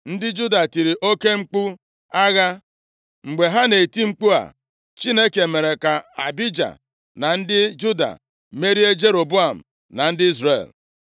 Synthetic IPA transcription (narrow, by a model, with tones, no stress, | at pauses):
n̩˦dɪ˦d͡ʒu˦da˨ti˨ɾi˨ʔo˦ke˦ŋ͡m̩˦k͡pu˦ | a˦ɣa˦ | ŋ͡m̩˨ɡ͡be˨ɦa˦ne˨i˨ti˦ŋ͡m̩˦k͡pu˦a̰˨ | t͡ʃi˦ne˦ke˨me˨ɾe˨ka˨a˨bi˦d͡ʒa̰˨ | na˨n̩˦dɪ˦d͡ʒu˦da̰˨ | me˦ɾi˦e˦d͡ʒe˦ɾo˨bu˦a˨m̩˨ | na˨n̩˦dɪ˦i˦zrḛ˨l